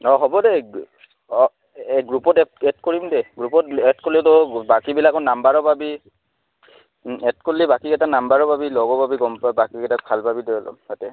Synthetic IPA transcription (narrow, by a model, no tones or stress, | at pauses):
ɔɦɔbɔdɛ | ɔ | ɛɡɹupɔtɛɛtkoɹimdɛɡɹupɔtɛtkolitobakibilakɔnambaɹɔbabi | ɛtkolibakikɛtaknambaɹɔbabilɔɡɔbabiɡɔmpabakikɛtak̚bʱalbabidɔjɔlɔ̰mhatɛ